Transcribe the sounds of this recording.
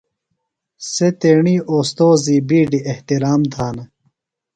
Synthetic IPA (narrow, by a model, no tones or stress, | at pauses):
set̪eːɳiːʔoːst̪oːziːbiːɖieht̪iɾaːmd̪ʱaːnɐ